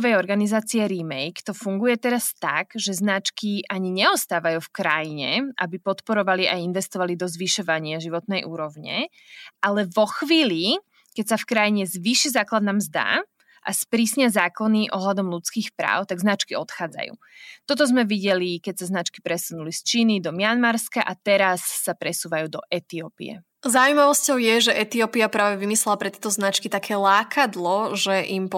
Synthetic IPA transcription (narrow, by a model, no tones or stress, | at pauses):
ʋɛjɔɾɡanizaːt͡siɛɾimɛjkt̪ɔfuŋɡujɛt̪ɛɾast̪aɡʒɛznat͡ʃkiʔaɲiɲɛɔst̪aːʋajufkɾajiɲɛʔa̰bipɔt̪pɔɾɔʋaliʔainʋɛst̪ɔʋalid̪ɔzʋiʃɔʋaɲɪaʒiʋɔt̪nɛjʔuːɾɔʊɲɛ̰ | alɛʋɔxʋiːli | kɛcsafkɾajiɲɛzʋiʃizaːklad̪naːmzd̪a̰ | ʔa̰spɾiːsɲɪazaːkɔniʔɔɦlad̪ɔmlut͡skiːxpɾa̰ːʊt̪aɡznat͡ʃkiɔt̪xaːd͡za̰jṵːt̪ɔt̪̬ɔzmɛʋiɟɛlikɛcsaznat͡ʃki̥pɾɛsunulist͡ʃiːnid̪ɔmɪanmaɾskaʔat̪ɛɾasːapɾɛsuːʋajuːd̪ɔ̰ʔɛt̪iɔpḭɛ̰ | zaʊuimaʋɔscɔʊjɛʒɛʔɛt̪iɔpiapɾaːʋɛʋimislɛlapɾɛt̪jɛt̪ɔznat͡ʃkit̪akʰɛːlaːkʰad̪lɔʒɛʔimp